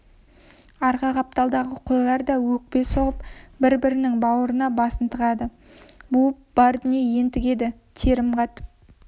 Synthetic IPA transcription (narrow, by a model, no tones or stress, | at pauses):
ɑɾʁɑqɑp̚t̪ɑlˠd̪ɑʁəqʰojlˠɑɾd̪ɑwɵk̚pe̞soʁəpbɪɾbɪɾɪnɪŋbɑwəɾənɑbɑsənt̪ʰəʁɑd̪ə | bupb̥ɑɾd̪ʏnijeje̞nt̪ɪkʲe̞d̪ɪ | t̪ʰe̞ɾɪmqɑt̪p